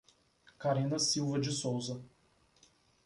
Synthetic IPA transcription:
kaɾĩnɐsiwvɐd͡ʒɪsowzɐ

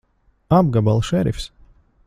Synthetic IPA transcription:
abɡabalˠʃɛɾifs

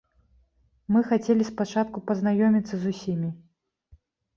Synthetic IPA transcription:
mɨxat͡sʲelʲispat͡ʂat̪̚kupɐznajɔmʲit̪sɐzusʲimʲi

